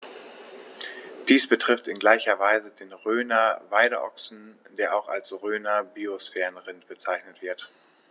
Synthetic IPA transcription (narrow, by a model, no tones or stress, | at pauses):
d̥iːsb̥ətʁ̥ɪftɪnɡlaɪçɐvaɪzədeːnʁøːnɐvaɪɾəʔɔ̰ksn̩d̥eːɐʔaʊxa̰lsʁøːnɐbiosfɛːʁənʁɪntb̥ət͡saɪçnətv̥ɪɐt